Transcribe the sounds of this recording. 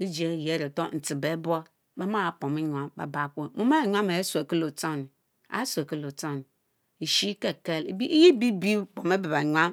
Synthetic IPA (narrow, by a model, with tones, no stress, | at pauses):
i˦d͡ʒe˨˦˨je˨˦ɾe˨to˦˨n̩˨ti˨be˦bʷo˦ | ba˦ma˦˨po˨mi˦ɲʷ˨a˦mba̰˨ba˨kʷo˦˨mu˦ma˦˨ɲʷ˦a˦ma˨e˦se˨ki˦lo˨ta˦˨ni˨ | a̰˨˦sʷe˨ki˦lo˨ta˦˨ni˨ | i˨ʃi˦ke˦˨ke˦lbi˦ji˦bi˦bi˦k͡po˨me˦bi˨ba˨ɲʷa˦m